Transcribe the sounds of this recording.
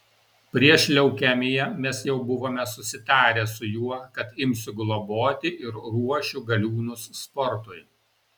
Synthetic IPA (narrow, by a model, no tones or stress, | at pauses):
pʲɾʲiɛʃʲlʲɛʊkʲæmʲejɛmʲɛsjɛʊbʊʋoːmʲɛsʊsʲɪt̪ɑːɾʲɛsʊjuɔkɐt̪ɪmʲsʲʊɡlˠɔboːt̪ʲɪʔɪɾɾuɔʃʲʊɡɐlʲuːnʊsːpɔɾt̪ʊj